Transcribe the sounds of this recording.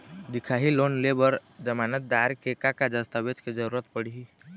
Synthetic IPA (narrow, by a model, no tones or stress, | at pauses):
d̪ikʰaɦilonlebəɾd͡ʒəmanət̪̚d̪aɾkekakad͡ʒəst̪əbed͡ʒked͡ʒəɾuɾət̪̚pəɽ̤ii